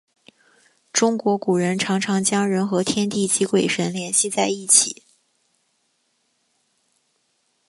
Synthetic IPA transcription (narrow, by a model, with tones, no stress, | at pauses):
ʈ͡ʂʊ˥ŋkwɔ˧˥ku˨˩ɻə˧˥nʈ͡ʂʰɑ˧˥ŋʈ͡ʂʰɑ˧˥ŋt͡ɕjɑ˥ŋɻə˧˥nxɤ˧˥t̪ʰjɛ˥nt̪i˥˩t͡ɕi˧˥kwe˨˩ɪʂə˧˥nljɛ˧˥nɕi˥˧t͡sa˥˧ɪi˥˩t͡ɕʰḭ˨˩˦